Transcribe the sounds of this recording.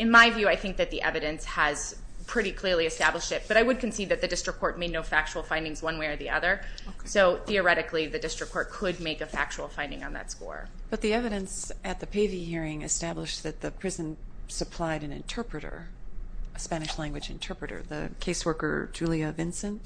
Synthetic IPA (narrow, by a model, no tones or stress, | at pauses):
ɨ̃nmaɪvjʉaɪθɪ̃ŋk̚ðɨt̪̚ðiʔɛ̰vɨɾɨ̃nshɨz̥ | pʰɹ̥ɪɾikʰl̥ɪɹliɨstæbləʃtɨt̚b̥ʌɾaɪwɨd̚kʰɨ̃n̩sid̪ðɨt̪̚ðɨdɪstɹ̥kʰːɔɹt̚meɪdⁿnoʊfæk̚t͡ʃul̩ˠfãɪ̃ndɪ̃ŋzwʌ̃nweɪə˞ðiʔʌ̰ðə˞soʊθiə˞ɛɾɨkliðɨdɪstɹ̥ɨkʰːɔɹt̚kʰʊd̚meɪkɨfæk̚t͡ʃuwl̩ˠfãɪ̃ndɪ̃ŋə̰̃nðɨ̰tskɔ̰ɹb̥ʌt̪̚ðiɛvɨɾɨ̃nsɨt̪̚ðɨpʰeɪviɨhiɹɪ̃ŋɨstæblɨʃðɨt̪̚ðɨpʰɹ̥ɪzɨ̃nsɨpʰl̥aɪɾɨ̃nɨ̰̃ntʰɜ˞pɹɨɾə̰˞ | ɨspæñɨʃlæ̃ŋɡwɨd͡ʒɨ̰̃ntʰɜ˞pɹɨɾə̰˞ðɨ̰kʰeɪswɜ˞kə̰˞d͡ʒʉlˠiɨvɪ̃nsɨ̃n